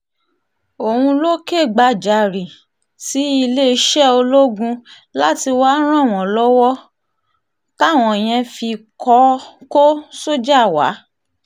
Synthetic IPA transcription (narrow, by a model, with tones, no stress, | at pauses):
o˨hũ˧lo˦ke˦˨ɡ͡ba˧d͡ʒa˨ɾi˨ | si˨˦i˧le˦˧ʃɛ˦o˧lo˦ɡũ˧ | la˦ti˧wa˦ɾ̃ã˦˨w̃ɔ̃˨lɔ˦wɔ˦ | ta˦˨w̃ɔ̃˨j̃ɛ̃˧fi˧kʰɔ˧˦ko˦so˦d͡ʒa˦˨wa̰˨˦